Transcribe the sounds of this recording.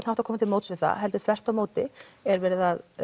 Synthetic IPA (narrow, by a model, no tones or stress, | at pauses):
nawt̪av̥kʰɔːmat̪ʰlmoːwt̪svɪθa̰ɦɛlt̪ʏ̥θvɛr̥t̪awmoːwt̪ɪɛɾvɛːɾɪðað